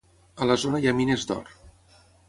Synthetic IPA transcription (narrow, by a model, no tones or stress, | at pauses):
ələzonəjaminezd̪ɔ̰r